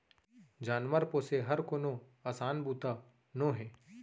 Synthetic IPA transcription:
d͡ʒaːnʋəɾpoːseɦɐɾkoːno | aːsaːnbuːt̪a | nõːɦɛː

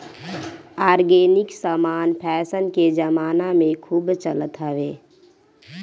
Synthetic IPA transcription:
aːɾɡeːnɪksaːmaːnpʰɛːsənked͡ʒəmaːnamẽkʰuːbt͡ʃələt̪ɦəʋeː

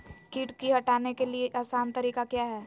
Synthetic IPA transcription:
kiːʈkiɦɐʈaːnekelieʔaːsaːnt̪ɐɾiːkakjaːɦɛː

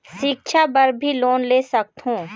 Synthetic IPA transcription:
ʃɪkʃʰabɐɾbʱiloːnleːsɐk̚t̪ɦũː

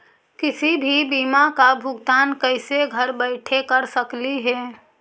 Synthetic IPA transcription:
kɪsibʱibiːmakabʱʊɡt̪aːnkəɪseɡʱəɾbəɪʈʰekəɾsəkliɦɛː

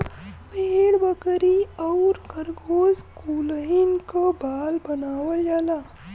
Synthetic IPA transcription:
peːɽbəkɾiɔʊɾɡəɾɡoːzkuːləɪnkobaːlbɐnaːwəljaːlaː

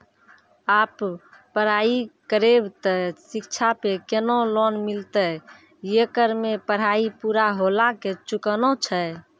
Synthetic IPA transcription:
apː | əɾ̤aikəɾebt̪əsikt͡ʃʰapekenolonmilt̪ə | jekəɾmepəɽ̤aipuɾaɦolaket͡ʃukənot͡ʃʰə

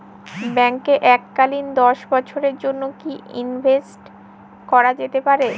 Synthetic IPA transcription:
bɛŋkeʔɛkːalind̪ɔʃbɔt͡ɕʰoɾeɾd͡ʑonːokiḭnbʱesʈ | kɔɾad͡ʑet̪epaɾe

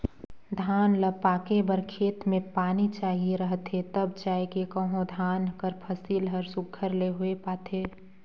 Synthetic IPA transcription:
d̪ʱaːnləpaːkebəɾkʰeːt̪mẽpaːnit͡ʃaːɦieɾəɦt̪ʰet̪əbt͡ʃaːekekəɦõd̪ʱaːnkəɾpʰəsiːlɦəɾsʊɡʰʱːəɾleɦʊepaːt̪ʰeː

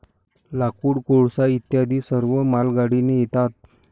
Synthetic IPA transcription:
lakuːɽkoɽsait̪jad̪ʱisəɾʋəmalɡaɽinejit̪at̪̚

